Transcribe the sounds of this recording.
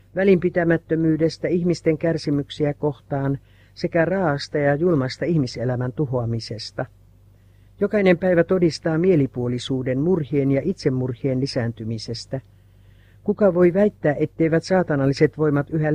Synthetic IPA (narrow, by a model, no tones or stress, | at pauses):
ʋælimpit̪æmæt̪ːømyːde̞st̪æihmist̪e̞ŋkærsimyksiæko̞ht̪ɑːn | se̞kærɑːɑst̪ɑjɑjulmɑst̪ɑihmiselæmænt̪uho̞ɑmise̞st̪ɑ | jokɑinempæjʋæt̪o̞dist̪ɑːmie̞lipuolisuːde̞nmurhienjɑʔit̪se̞mːurhienlisæːnt̪ymise̞st̪æ | kukɑʋo̞iʋæjt̪ːæːʔet̪ːeijʋæt̪sɑːt̪ɑnɑlːiset̪ʋo̞imɑt̪yɦæ